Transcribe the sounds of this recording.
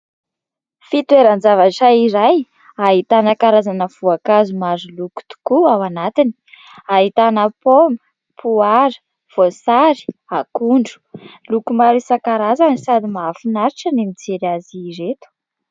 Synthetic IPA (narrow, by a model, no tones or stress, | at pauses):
fit̪weɾand͡zavaʈ͡ʂaiɾaj | aɦit̪anəkaɾazanəv̥uakazumazuluku̥t̪u̥kuawanat̪ini̥ | aɦit̪anəpombə̥ | pʰuaɾə̥ | v̥osaɾi̥akuɳɖ͡ʐu̥ | lukumaɾisakaɾazanisad̪imaafinaɾiʈ͡ʂənimid͡zeɾiaziɾet̪u̥